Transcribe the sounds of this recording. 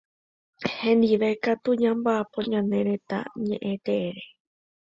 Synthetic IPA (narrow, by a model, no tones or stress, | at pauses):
hẽ̞nd̪iʋe̞kat̪uɲãmbaʔapõɲãnẽ̞ɾẽ̞t̪a̰ɲẽʔẽt̪eeɾe